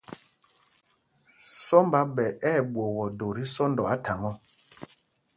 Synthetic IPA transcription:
sɔ˦mba˦ɓɛ˨ʔɛ˦˨ɓwo˨ɣɔ˨do˨ɾi˦sɔ˦ndɔ˨a˦ta˨ŋɔ˦

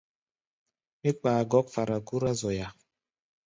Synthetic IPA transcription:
mi˦k͡paː˨ɡɔ˦k̚fa˨ɾa˨ɡu˦ɾa˦zɔ˨ja˨

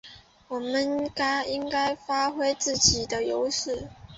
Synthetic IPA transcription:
wɔ˨˩mə˦nka˥ɪi˥ŋka˥ɪfa˥xwe˥ɪt͡sɹ̩˥˩t͡ɕi˨˩d̪ə˦jo˧˥ʊʂɻ̩˥˩

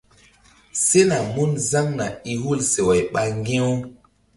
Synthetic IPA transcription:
se˦na˨mu˦nza˦ŋna˨i˨ɦu˦lse˨wa˨jɓa˨ŋɡẽ˦w

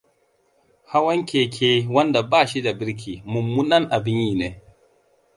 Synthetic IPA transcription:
ha˦wɐ˦ŋkʲʰeː˨kʲʰeː˦wɐ˦nda˨baː˦˨ʃi˦da˨bɪ˦ɾk̬ʲʰiː˨mʊ˨mːu˦nɐ˦ŋʔa˨bɪ˦ɲjiː˦neː˨

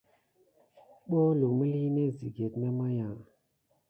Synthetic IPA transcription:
ɓo˦lu˨mi˦li˦ne˦zi˨ɡe˨tmɛ˦ma˦jã˨

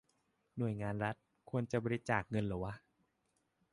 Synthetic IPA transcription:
nu˨˩əjŋaː˧nɾa˦˥t̪̚ | kʰu˧ənt͡ɕa˨˩bɔː˧ɾi˦˥t͡ɕaː˨˩k̚ŋɤ˧nlɯː˩˦wa˦˥ʔ

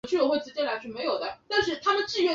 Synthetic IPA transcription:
t͡ɕʰy˥˩ɔ˥˩xwe˥˩ɪʈ͡ʂɻ̩˧˥t͡ɕjɛ˥nla˧˥ɪʂʰy˥˩me˧˥ɪjo˨˩ʊt̪a˥˩t̪a˥˧nʂɻ̩˥˩t̪ʰa˥mə˨nʈ͡ʂɻ̩˥˧ɥɛ˥˩

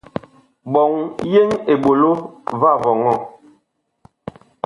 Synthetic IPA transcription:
bɔ˨ŋje˦ŋe˨ɓo˨lo˦va˦˨vɔ˨ŋɔ˦˨

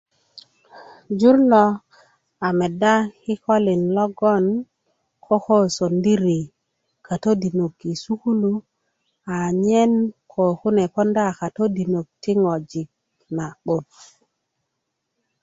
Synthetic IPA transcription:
d͡ʒu˦ɾlo˨ | a˨me˨da˦hi˦ko˦li˨nlo˦ɡo˦˨n | kʰo˦ko˦so˨ndi˦ɾi˨ | kʰa˨to˦di˨no˨kːi˨su˦ku˦lu˦ | a˨ɲe˦nkʰo˨ku˦ne˨po˦nda˦˨ka˨to˦di˨no˨k̚ti˦ŋo˨d͡ʒi˨k̚ | na˨ɓo˨t̚

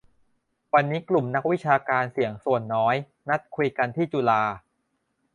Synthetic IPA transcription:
wa˧nːiː˦˥klu˨˩mna˦˥k̚wi˦˥t͡ɕʰaː˧kaː˧nsi˨˩˦əŋsu˨˩ənːɔː˦˥j | na˦˥t̪̚kʰu˧jka˧nt̪ʰiː˥˩t͡ɕu˧laː˧

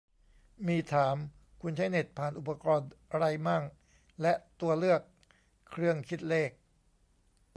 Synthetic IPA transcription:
miː˧t̪ʰaː˩˦m | kʰu˧nt͡ɕʰa˦˥jne˨˩t̪̚pʰaː˨˩nʔu˨˩pa˧kɔː˧nɾa˧jmaː˥˩k | lɛ˦˥t̪u˧ɐlɯ˥˩əkʰː | ɾɯ˥˩əŋkʰi˦˥t̪̚leː˥˩k̚

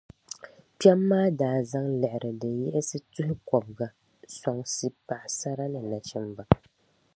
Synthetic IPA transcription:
pɛ˦mːaː˦daː˨za˦ŋlɛ˨ʔɪ˨ɾɨ˨dɨ˨jɛ˦ʔɪ˦sɨ˦tʊ˦hɪ˦kɔ˨bɡa˨ | sɔ˨ŋsi˦pa˨ʔɪ˨sa˦ɾa˦nɨ˨na˨t͡ʃɪ˦mba˨

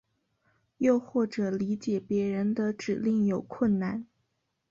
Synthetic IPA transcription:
jo˥˧ʊxwɔ˥˩ʈ͡ʂɤ˨˩li˧˥t͡ɕjɛ˨˩pjɛ˧˥ɻə˧˥nd̪ə˧ʈ͡ʂɻ̩˨˩li˥˩ŋjo˨˩ʊkʰwə˥˩nna˥˩n

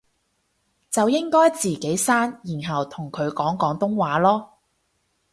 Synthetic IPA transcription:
t͡sɐ˨wjɪ˥ŋkɔː˥jt͡siː˨ke˨˥jsaː˥njiː˨˩nɦɐ˨wt̪ʰʊ˨˩ŋkʰɵ˨˧ɥkɔː˨˥ŋkɔː˨˥ŋt̪ʊ˥ŋwaː˨˥lɔː˥

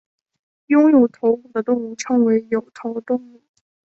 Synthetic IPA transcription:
jʊ˥ŋjo˨˩ʊt̪ʰo˧˥ʊku˨˩d̪ə˦t̪ʊ˥˧ŋu˥˩ʈ͡ʂʰɤ˧˥ŋwe˧˥ɪjo˨˩ʊt̪ʰo˧˥ʊt̪ʊ˥˧ŋu˥˩

